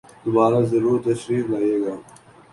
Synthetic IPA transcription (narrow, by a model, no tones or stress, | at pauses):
d̪̥ʊbaːɾaːzɐɾuːt̪ːɐʃɾiːflaːeːɡaː